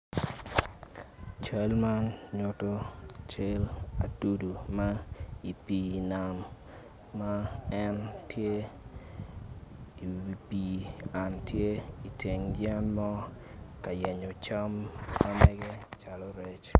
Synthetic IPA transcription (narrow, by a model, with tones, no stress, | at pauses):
t͡ʃa˦lma˦nɲʊ˦to˦t͡ʃe˦la˨tu˦du˨ma˦i˨pi˨na˨mː | a˦ɛ˦ntʰje˦ | i˨i˨pi˨a˨ntʰje˦i˨tʰe˨ŋd͡ʒjɛ˦nmɔ˦ | ka˨jɛ˨ɲɔ˨t͡ʃa˦mːa˦mɛ˦ɡɛ˦t͡ʃa˨lɔ˦ɾe˦t͡ʃ